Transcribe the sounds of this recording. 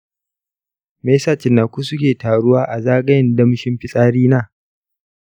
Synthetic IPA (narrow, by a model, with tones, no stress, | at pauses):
meː˦saː˦˨t͡ʃɪ˨nːaː˨kʷu˦sʊ˦kʲeː˨taː˨ɽʊ˦waː˦ʔa˨zaː˦ɡɐ˦jɪ˨ndɐ˦m˦ʃɪ˦mɸɪ˦sʼaː˦ɽiː˦naː˦